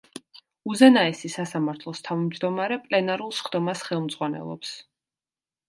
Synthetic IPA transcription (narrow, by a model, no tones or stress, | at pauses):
uzɛnaɛsisasamaɾt̪ʰlˠɔst̪ʰavmd͡ʒd̪ɔmaɾɛpʼlɛnaɾulˠsχd̪̥ɔmasχɛlˠmd̪z̥ʁwanɛ̰lˠɔ̰ps